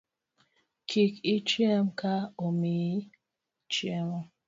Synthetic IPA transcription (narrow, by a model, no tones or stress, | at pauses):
kʰikit͡ʃɛmkʰaomi | t͡ʃiɛm